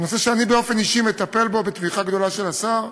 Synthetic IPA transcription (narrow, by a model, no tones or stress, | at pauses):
noseʃeanibeo̞fe̞niʃimet̪ape̞lbo̞bet̪viχaɡd̪o̞laʃe̞lasaʁ